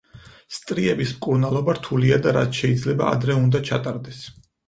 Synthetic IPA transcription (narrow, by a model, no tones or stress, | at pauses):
st̪ʼɾiɛbismkʼuɾnalˠɔbaɾt̪ʰuliad̪aɾa̰t̪ʰʃɛid̪zlɛba̰a̰d̪ɾɛund̪at͡ʃʰa̰t̪ʼaɾd̪ɛs